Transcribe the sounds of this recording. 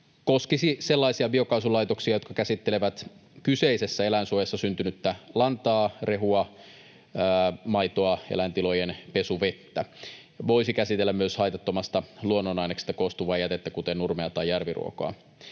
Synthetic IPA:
ko̞skisise̞lːɑisiɑbio̞kɑusulɑjt̪oksiɑjokɑkæsit̪ːeleʋæt̪kyseise̞sːæe̞læinsuojɑsːɑsynt̪ynyt̪ːælɑnt̪ɑːre̞ɦuɑ | mɑjt̪oɑelænt̪ilo̞jenpe̞suʋe̞t̪ːæ | ʋo̞isikæsit̪elːæmmyøshɑjt̪ɑt̪ːo̞mɑst̪ɑluonːonɑinekst̪ːækost̪uʋɑjæt̪et̪ːækut̪ennurmeɑt̪ɑjːærʋirṵo̰koɑ̰

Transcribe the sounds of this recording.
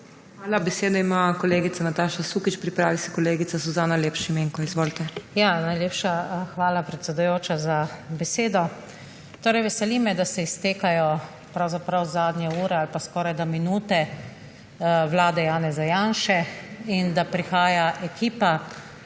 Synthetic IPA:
xʋaːlabɛseːd̪ɔimakɔleːɡit̪anat̪aːʃasuːkit͡ʃpɾipɾaːʋisɛ̥kɔleːɡit̪sazuzaːnaljeːpʃimeːŋkɔizʋoːlt̪ɛjaːnajljeːpʃaxʋaːlapɾɛt̪sʲɛd̪ujoːt͡ʃazabɛseːd̪ɔ | t̪oːɾɛjʋɛsɛlimɛd̪asɛist̪eːkajɔ | pɾawzapɾawzaːd̪njɛuːɾɛalpaskɔːɾajd̪aminuːt̪ɛ | wlaːd̪ɛjaːnɛzajaːnʃɛind̪apɾixaːjaʔɛkiːpa

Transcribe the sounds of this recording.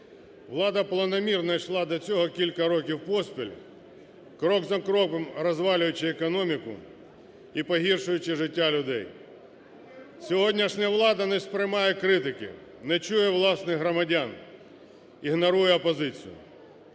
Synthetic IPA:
ʋlˠɑd̪ɐplˠɐnɔmʲirnɐjʃlˠɑd̪ɐt͡sʲɔɦɔkʲilʲkɐɾɔkʲiwpɔspʲilʲ | kɾɔɡzɐkɾɔpemrɔzʋɑlʲʊjʊt͡ʃɪːkɔnɔmʲikʊ̰ | ipɔɦʲirʃʊjʊt͡ʃɪʒɪtʲːalʲʊd̪ɛj | sʲɔɦɔdʲnʲɐʃnʲɐʋlˠɑd̪ɐnɛspɾɪmɑjɛkɾɪt̪ɪkɪ̰ | nɛt͡ʃujɛʋlˠɑsnɪɦɾɔmɐdʲan | iɦnɔɾujɛɔpɔzɪt͡sʲḭjʊ̰

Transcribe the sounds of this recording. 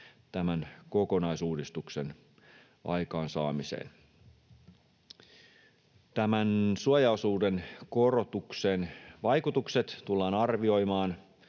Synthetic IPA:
t̪æmænko̞ko̞nɑjsuːdist̪ukse̞̰n | ʔɑ̰jkɑːnsɑ̰ːmisḛːn | t̪æmænsuojɑosuːdenkorot̪ukse̞ːnʋɑjkut̪ukset̪tulːɑːnɑrʋio̞jmɑːn

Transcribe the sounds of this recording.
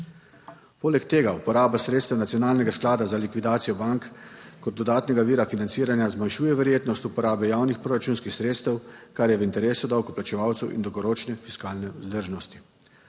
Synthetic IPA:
poːlɛkt̪eːɡaupɔɾaːbasɾeːt̪st̪ɛwnat̪sijɔnaːlnɛɡasklaːd̪azalikʋid̪aːt̪sijɔbaŋkkɔd̪̚ɔd̪aːt̪nɛɡaʋiːɾafinant̪siːɾanjazmajʃuːjɛʋɛɾjeːt̪nɔst̪upɔɾaːbɛjaːwnixpɾoːɾat͡ʃuːnskixsɾeːt̪st̪ɛwkaɾjɛʋint̪ɛɾeːsud̪awkɔplat͡ʃɛʋaːwt̪sɛwʔḭnd̪ɔwɡɔɾoːt͡ʃnɛfiskaːlnɛuzd̪əɾʒnɔst̪i̥

